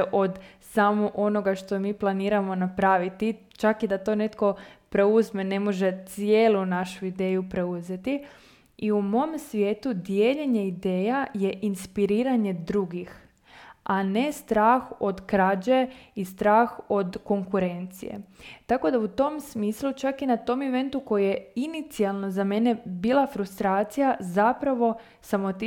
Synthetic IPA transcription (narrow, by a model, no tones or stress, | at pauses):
ʔo̞d̪samoʔo̞noɡaʃt̪o̞miːplˠaniːɾamo̞napɾaːʋit̪i | t͡ʃakid̪at̪o̞ne̞t̪ko̞pɾe̞uzmene̞mo̞ʒe̞t̪sje̞ːlˠunaʃuid̪e̞ːjupɾe̞uze̞t̪i | iumo̞msʋje̞ːt̪ud̪jeːʎeɲe̞id̪e̞ːjaje̞ʔinspiɾiːɾaɲe̞d̪ɾuɡix | ane̞st̪ɾaːxo̞d̪kɾad͡ʑeist̪ɾaːxo̞d̪ko̞ŋkuɾe̞nt̪sḭje̞̰t̪ako̞d̪aut̪o̞msmiːslˠut͡ʃakinat̪o̞meʋe̞nt̪uko̞jije̞init̪sialˠno̞zame̞ne̞biːlˠafɾust̪ɾaːt̪sijazapɾaʋo̞ | samot̪i